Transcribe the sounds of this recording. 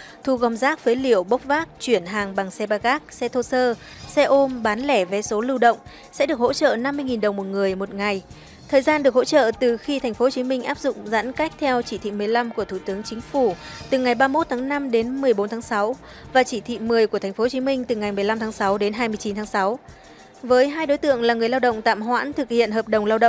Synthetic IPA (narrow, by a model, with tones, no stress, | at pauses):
t̪ʰu˧˩ɣɔ˧˩mzaː˦˥k̚və˨˦jli˧˩əwɓə˦˥wk͡p̚vaː˦˥k̚t͡ɕwi˧˩ənɦaː˨˩ŋɓa˨˩ŋsɛ˧ɓaː˧ɣaː˦˥k̚sɛ˧t̪ʰo˧səː˧ | sɛ˧ʔo˧mɓaː˨˦nlɛ˧˩ve˨˩so˨˦lɨ˧wɗə̰˧˨wŋ͡m | sɛ̰˧˥ɗɨ˨˩ək̚ho̰˧˥t͡ɕə̰ː˧˨na˧mːɨ˧əjŋi˨˩nɗə˨˩wŋ͡mmo˨˩t̚ŋɨ˨˩əjmo˨˩t̚ŋa˨˩j | t̪ʰəː˨˩jzaː˧nɗɨ˨˩ək̚ho̰˧˥t͡ɕə̰ː˧˨t̪ɨ˨˩xi˧t̪ʰa˨˩ŋ̟fo˨˦ho˨˩t͡ɕi˨˦mï˧ŋ̟ʔaː˦˥p̚zʊ̰˧˨ŋ͡mzə̰˧˥nka˦˥jk̟̚t̪ʰɛ˧wt͡ɕi˧˩t̪ʰḭ˧˨mɨ˨˩əjla˧mku˧˩ət̪ʰu˧˩t̪ɨ˨˦əŋt͡ɕï˨˦ŋ̟fu˧˩t̪ɨ˨˩ŋa˨˩jɓaː˧mo˦˥t̚t̪ʰaː˨˦ŋna˧mɗe˨˦nmɨ˨˩əjɓo˨˦nt̪ʰːŋsa˨˦w | vaː˨˩t͡ɕi˧˩t̪ʰḭ˧˨m˨˩əjku˧˩ət̪ʰŋ̟fo˦˧˩t͡ɕi˨˦mï˧ŋ̟t̪ɨ˨˩ŋa˨˩jm˨˩əjla˧mt̪ʰaː˨˦ŋsa˨˦wɗe˨˦nɦaː˧jmɨ˧əjt͡ɕi˨˦nt̪ʰaː˨˦ŋsa˨˦w | vəː˨˦jɦaː˧jɗo˨˦jt̪ɨ̰˧˨əŋlaː˨˩ŋɨ˨˩əjlaː˧wɗə̰˧˨wŋ͡mt̪a̰ː˧˨mɦwa̰ː˧˥nt̪ʰɨ˨˩k̚hḭ˧˨ənɦəː˨˩p̚ɗə˨˩wŋ͡mlaː˧wɗə̰˧˨